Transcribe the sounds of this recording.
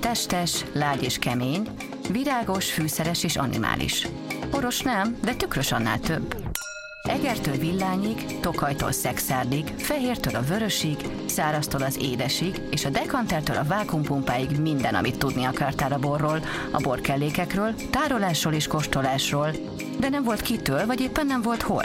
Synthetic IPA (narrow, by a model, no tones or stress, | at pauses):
t̪ɛʃt̪ɛʃlaːɟeːʃkɛmeːɲ | viɾaːɡo̞ʃfyːsɛɾɛʃeːʃɒ̰nḭma̰ːlḭʃ | o̞ɾo̞ʃnɛmd̪ɛt̪ykrøʃɒnːa̰ːlt̪øbː | ɛɡɛrt̪øːlvilːaːɲiɡ | t̪o̞kɒjt̪o̰lsɛksaːrlikfɛɦeːrt̪øːlɒvøɾøʃiɡ | saːɾɒst̪oːlɒzḛːd̪ɛʃiɡeːʃɒd̪ɛkɒnt̪ɛrt̪ø̰ːlʔɒvaːkumpumpaːjiɡmind̪ɛnɒ̰mit̪ːud̪niɒkaːrt̪aːɾɒborːoːl | ɒ̰bo̞rkɛlːeːkɛkrøːlt̪aːɾolaːʃroːleːʃko̞ʃt̪o̞laːʃroːl | d̪ɛnɛɱvo̞lt̪kit̪øːlvɒɟeːpːɛnːɛɱvo̞lt̪ho̞̰l